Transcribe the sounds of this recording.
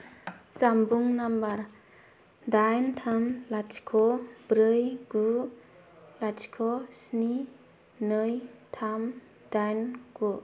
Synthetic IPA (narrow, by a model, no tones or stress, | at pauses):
t͡ʃambuŋnambaɾ | dajntʰamlatʰkʰɔbɾɯjɡu | lat͡ʃkʰɔsni | nɯjtʰam | dajnɡ̥u